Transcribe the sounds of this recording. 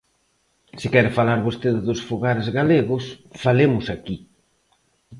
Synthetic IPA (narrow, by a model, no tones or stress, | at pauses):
sɪkɛɾɪfalaɾβost̪eðɪðʊsfuɣaɾezɣaleɣʊsfalemʊsaki